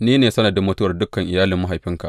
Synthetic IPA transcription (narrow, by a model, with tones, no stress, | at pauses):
niː˦neː˨sɐ˦nɐ˨da˨mʊ˦tʊ˦wɐ˨rdʊ˦kːɐ˨ŋʔɪ˨jaː˦lɪ˨mːa˦ɦjɸɪ˦ŋka̰˨